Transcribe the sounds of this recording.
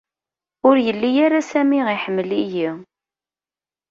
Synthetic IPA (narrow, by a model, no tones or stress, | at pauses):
ʊɾjəlːijaɾasæmiʁiħəmːliji